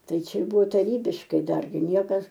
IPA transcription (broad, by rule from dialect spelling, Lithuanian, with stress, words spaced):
ˈtɐɪ ˈt͡ʃʲɛ ˈbʊʋoː tɐˈrʲiːbʲɪʃkɐɪ ˈdɐrʲɡʲɪ ˈnʲiɛkɐs